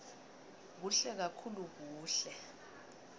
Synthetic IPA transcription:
k̬uɬɛk̬akʰuluk̬uːɬɛ

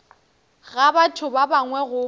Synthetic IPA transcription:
ɣabatʰʊbabaŋwɛɣʊ

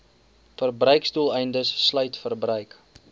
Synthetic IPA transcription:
fərbrœɥkstulˠɛjndəsːlœɥtfərbrœɥk

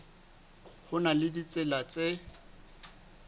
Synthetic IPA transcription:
hʊnalɪdit͡sʼɪlat͡sʼe

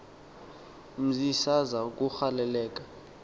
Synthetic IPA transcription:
m̩zisazak̬ʼuxalɛlɛːk̬ʼḁ

